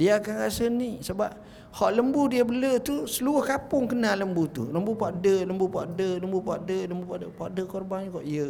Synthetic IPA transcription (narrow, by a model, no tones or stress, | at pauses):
diaakanɾasənisəbap̚ | hɔʔləmbudiəbələt̪usəluʊhkapʊŋkənaləmbut̪ṵləmbupaʔdələmbupa̰ʔdələmbupaʔdələmbupaʔdəpaʔdəkɔrbanɲəkɔʔijə